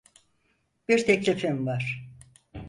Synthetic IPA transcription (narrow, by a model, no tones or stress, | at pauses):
b̥iɾt̪ʰɛclʲifimvaɾ̥